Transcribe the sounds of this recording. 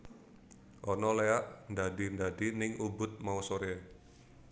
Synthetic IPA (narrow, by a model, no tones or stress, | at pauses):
ʔɔnɔleaʔnd̪adi̤nd̪adinɪŋʔubʊt̪̚mausoɾe